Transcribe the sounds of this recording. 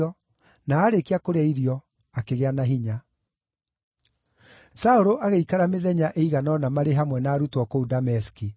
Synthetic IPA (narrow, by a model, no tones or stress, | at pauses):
ɔ | naːɾekeakoɾeaiɾijɔ | akeɣeanaɦiɲa | saoɾoʔaɣeikaɾameðɛɲaʔeiɣanɔnamaɾeɦamwɛnaːɾutwɔkoudamɛski